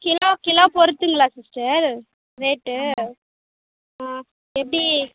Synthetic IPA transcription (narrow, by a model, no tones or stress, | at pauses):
kɪloːkɪloːpɔɾɯt̪ːɯŋɡɐɭaːsɪsʈɐɾ | ɾeːʈːɯ | aː | ɛpːɐɽi